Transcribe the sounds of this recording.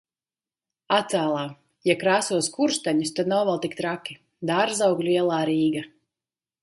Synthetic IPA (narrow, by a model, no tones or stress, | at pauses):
at̪saːlˠaː | jakɾaːsuɔskuɾst̪aɲust̪ad̪nawvalˠt̪ik̚t̪ɾakʲi | d̪aɾzawɡlʲuiɛlˠaːɾiːɡa